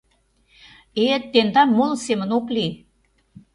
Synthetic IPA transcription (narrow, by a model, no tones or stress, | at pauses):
et̪ːend̪ɑnmolsemə̆nokli